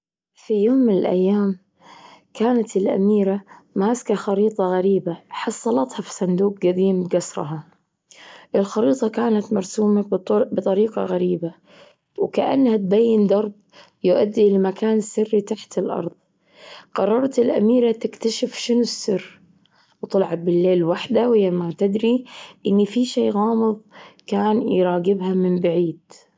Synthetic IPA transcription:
fijoːmːɪnɪlʔa̰jːaːm | kaːnat̪ɪlʔa̰miːɾamaːskaxɑɾiːt̪ˤɑɣaɾiːbaħɑsˤːɑlɑt̪hɑfi̥sˤɑnd̪uːq̚ɡad̪iːmɡasɾˤɑ̰ɦɑ | ʔɪlxɑɾiːt̪ˤɑkaːnat̪mɑɾˤsuːmabɨt̪ˤɑɾiːqɑ̰ɣaɾiːba | wkaʔa̰nːhat̪̚bajːɪnd̪ˤɑɾˤb | jʊʔad̪ːilmakʰaːnɪsːɪrːit̪aħt̪ɪlʔɑ̰ɾˤðˤ | qɑrˤːɑɾˤt̪ɪlʔa̰miːɾat̪ɪkt̪aʃɪfʃɪnʊsːɪrː | wt̪ɑlʕɑbɪlːeːlwaħd̪awɪjːamat̪ɪd̪ɾiʔɪnːifiʃeːɣɑːmɨðˤkaːnjɾˤɑːɡɪbɦamɪmbaʕiːd̪̥

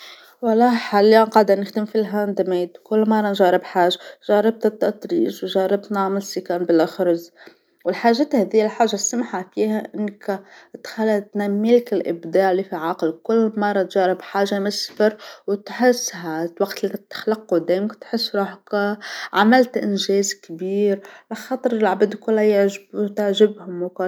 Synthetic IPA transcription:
wɑlˤːɑːħalːaqɑʕd̪anːɪxd̪ɪmfilɦand̪ameːt̪kʊlːmɑrˤːɑnʒɑːɾˤɪbħaːʒaʒɑːɾˤɑb̚t̪ɪt̪ːɑt̪ɾḭːʒwʒɑːɾˤɪb̚t̪naʕmɪlsikanbɪlʔaxɾˤɑz | wɪlħaːʒeːt̪hæːðijːlħaːʒːasamħafiːhaʔɪnːkt̪xalːat̪namːiːlkɪlʔɪ̰bd̪aːʕlifiʕaqlkʊlːmɑrˤːɑt̪ʒɑːɾɪbħaːʒamɪsfɪɾwt̪ħɪsːɦalwaɡt̪lit̪ːḁxlɑqːud̪aːjmkt̪ħɪsːɾˤuːħkaʕamalt̪ʔɪ̰nʒeːzkbiːɾlaxɑːt̪ˤɾɪlʕabɪd̪kʊlːajɪʕʒbt̪ɪʕʒɪbhʊmwka

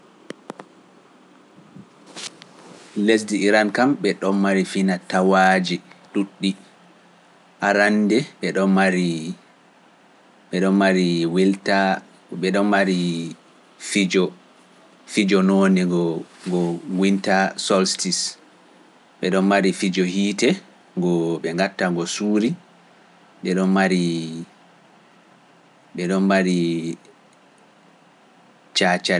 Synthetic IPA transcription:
les̬diːɾankamɓɛɗɔnmaɾifinatawad͡ʒiɗuɗːi | ʔaɾandɛɓɛɗɔnmaɾi | ɓɛɗɔnmaɾiwilta | ɓɛɗɔnmaɾi | fid͡ʒɔ | fid͡ʒɔnoːniɡɔɡɔŋɡwintasɔlstis | ɓɛɗɔnmaɾifid͡ʒɔhiːtɛ | ɡɔɓɛŋɡatːaŋɡɔsuːɾi | ɓɛɗɔnmaɾi | ɓɛɗɔnmaɾi | t͡ʃat͡ʃa

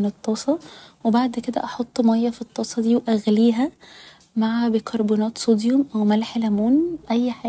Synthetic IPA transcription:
net̪ˤːɑːsˤɑwebaʕd̪ked̪æ̰ʔɑħot̪ˤːmæjːæfit̪ˤːɑːsˤɑd̪iːwʔæɣliːɦæ | maʕabekʰɑɾˤbunɑːt̪sod̪jomʔæwmælħlæmuːnʔæjːħaː

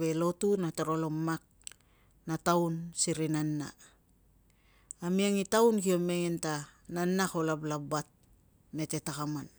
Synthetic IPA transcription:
βe̞lo̞tunatoɾo̞lomːak̚ | natawnsiɾinanːa̰ | amiaŋitawnkio̞me̞ŋentananːakolablabat̚ | me̞te̞takaman

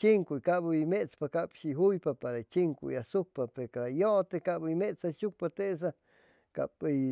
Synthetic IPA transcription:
t͡ʃiŋkuikabuimet͡spakapʃiɦujpapaɾait͡ʃiŋkṵjasuk̚papeɾkaɾajot̪ekaʔbaimeʔt͡saʃuk̚pat̪eʔs̬a | ka̰pi

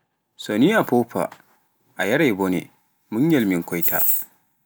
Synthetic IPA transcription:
soniːʔapoːɸa̰ | ʔajɐɽajboːnḛː | mʊɲjɐlmɪkʷɔjta̰ːʔ

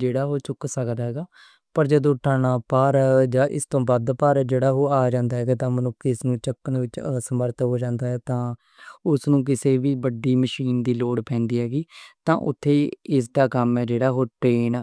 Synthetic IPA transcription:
d͡ʒeːɽaːɦoːt͡ʃʊksəkd̪aːɦɛːɡaː | pəɾd͡ʒəd̪õːʈaːɳaːpaːɾd͡ʒaːʔɪ̰st̪õːbəd̪paːɾd͡ʒeːɽaːɦoːaːd͡ʒãːnd̪aːɦɛːɡaːt̪ãːmənʊkʰːiɪsnũːt͡ʃəkːənʋɪt͡ʃsəməɾt̪ɦoːd͡ʒãːnd̪aːɦɛːt̪ãː | ʊsnũːk̬ɪseːʋiːbəɖiːməʃiːnd̪iːloːɽpʰɛ̃ːnd̪iːɦɛːɡiːt̪ã̰ːʔʊ̰t̪ʰːeːɪs̬d̪aːkəmɛːd͡ʒeːɽaːɦoːʈɾeːn

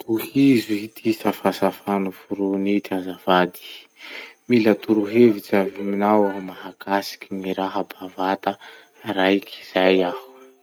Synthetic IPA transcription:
t̪uhizuhit̪ʰisafasafanuvuɾunit̪azavad̪i̥ | milat̪uɾuɦevit͡saviminawamaɦakasi̥kimiɾaɦabavat̪a | ɾajkʰi̥z̥ajahu̥

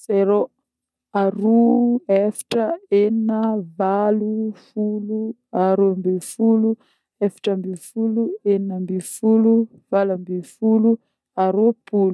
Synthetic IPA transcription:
seɾo | aɾuefi̥ʈ͡ʂəeninəvalufulu | aɾumbefulu | efi̥ʈ͡ʂəmbifulueninəmbifulu | v̥alambifulu | aɾupulu

